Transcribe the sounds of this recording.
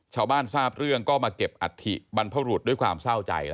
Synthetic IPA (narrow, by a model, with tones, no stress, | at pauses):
t͡ɕʰaː˧wbaː˥˩nsaː˥˩p̚ɾɯ˥˩əŋkɔː˥˩maː˧ke˨˩p̚ʔa̰˨˩t̪ʰḭ˧˩ba˧npʰa˦˧˥ɾu˨˩t̪̚du˥˩jkʰwaː˧msaː˥˩wt͡ɕa̰˧jl